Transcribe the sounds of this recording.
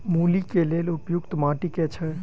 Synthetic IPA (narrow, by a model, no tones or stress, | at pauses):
mulikeleːlʊpjʊkt̪maːʈiket͡ʃʰɛ